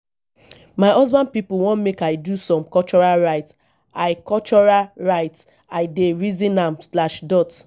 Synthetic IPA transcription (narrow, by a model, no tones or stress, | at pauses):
maɪʔɔzbãnd̚pipuwõnmekaɪdusɔ̃mkɔlt͡ʃɔɹalɹaɪt | aɪkɔlt͡ʃɔɹalɹaɪt | aɪdeɹizĩnãmslaʃdɔt